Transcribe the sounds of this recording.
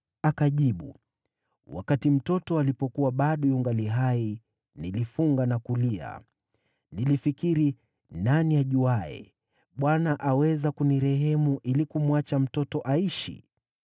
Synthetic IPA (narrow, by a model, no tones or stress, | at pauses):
akaʄiɓṵ | wa̰katim̩tɔtɔalipɔkuwaɓaɗɔjuŋɡaliɦai | nilifuŋɡanakulia̰ | nilifikiɾi | naniaʄuaɛ̰ | ɓwanaʔawɛzakuniɾɛɦɛmuʔilikumwat͡ʃam̩tɔtɔʔaiʃḭ